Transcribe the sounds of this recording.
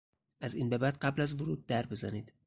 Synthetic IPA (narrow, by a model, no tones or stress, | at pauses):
ʔæziːnbe̞bæd̪̚ɢæblæzvoɾuːd̪̚ːæɾbe̞zæniːd̪̥